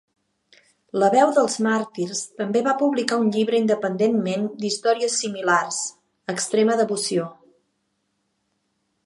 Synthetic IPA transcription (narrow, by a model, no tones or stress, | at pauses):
ləβɛwðəlˠzmaɾt̪iɾst̪əmbeβapuβlikaunʎiβɾəind̪əpənd̪enmend̪ist̪ɔɾiəsːimilars | əkst̪ɾeməðəβusio